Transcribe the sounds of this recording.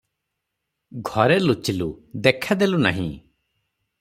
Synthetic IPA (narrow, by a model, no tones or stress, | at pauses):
ɡʱɔɾelut͡ʃilṵd̪ekʰad̪eluna̰ɦḭ̃